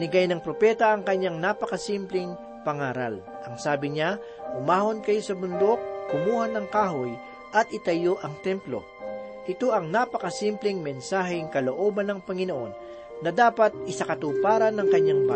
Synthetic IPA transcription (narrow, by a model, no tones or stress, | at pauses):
nɪɡajnɐŋpɾo̞pɛt̪ɐʔɐŋkɐɲːaŋnapɐkɐsimplɪŋ | pɐŋaːɾɐ̰l | ʔɐŋsaːbɪɲa | hʊmaːho̞nkɐjosɐbʊnd̪o̞k̚ːʊmuːhɐnɐŋkaːɦoj | ʔɐt̪̚ʔɪt̪ɐjoʔɐŋt̪ɛmplo̞̰ | ʔɪt̪o̞ʔɐŋnapɐkɐsimplɪŋmɛnsaːɦɪŋkɐloʔo̞ːbɐnːɐŋpɐŋɪnoʔo̞̰nː | ɐd̪aːpɐt̪̚ɪsakɐt̪uːpaːɾɐnːɐŋkɐɲːaŋba